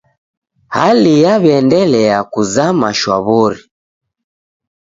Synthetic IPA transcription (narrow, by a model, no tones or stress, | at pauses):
halijaβɛndɛlɛakuzamaʃwaβɔɾi